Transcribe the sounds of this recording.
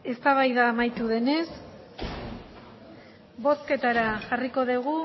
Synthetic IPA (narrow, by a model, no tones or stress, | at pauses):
e̞st̪aβ̞ajðaːmajt̪uðe̞ne̞s | bo̞ske̞t̪aɾaʝariko̞ðeɣ̞u